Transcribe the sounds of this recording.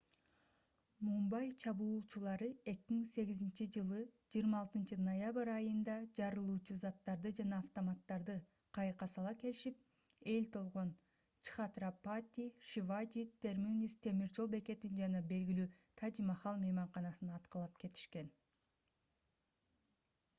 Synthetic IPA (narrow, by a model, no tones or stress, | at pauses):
mumbɑjt͡ʃʰɑβuːlˠt͡ʃulˠɑɾɯe̞kimiŋse̞ɡizint͡ʃid͡ʒɯlˠɯd͡ʒijɾmɑːlˠt̪ɯnt͡ʃɯnojaβɨɾɑjɯnd̪ɑd͡ʒɑɾɯlˠuːt͡ʃuzɑt̪ːɑɾd̪ɯd͡ʒɑnɑːft̪omɑt̪ːɑɾd̪ɯ | qʰɑjqɑsɑlˠɑke̞liʃip̚ | e̞lt̪ʰo̞lˠʁo̞n | t͡ʃi̥χat̪rapat̪ʲiʃivad͡ʒit̪ʰe̞ɾmunʲist̪ʰe̞miɾd͡ʒo̞lˠbe̞ke̞t̪ind͡ʒɑnɑbe̞lɡilyːt̪ʰad͡ʒimɑχɑlˠmejmɑɴqɑnɑsɯnɑt̪qɯlˠɑpke̞t̪ʰi̥ʃke̞n